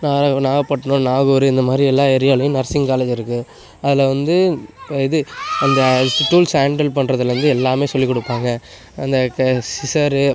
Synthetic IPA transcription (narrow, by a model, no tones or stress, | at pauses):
naːɐnaːɣɐpːɐʈːɐɳʊ̃naːɣuːɾɯɪnd̪ɐmaːd̪ɾiɛlːãːɛɾɪjaːlɐjʊ̃nɐɾsɪŋkaːlɐːd͡ʒɪɾɯkːɯ | ɐðɪlɐʋɐnd̪ɯɪðɯɐnd̪ɐʈuːlsaːɳɖɐlpɐɳɾɐðɯlʋɐnd̪ɯɛlːaːmeːsɔlːikːɔɽɯpːaːŋɡɐ | ɐnd̪ɐsɪsɐɾɯ